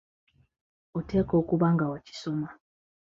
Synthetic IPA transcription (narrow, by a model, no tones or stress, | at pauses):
otʰeko̞ːkuβaŋɡawaci̥so̞ma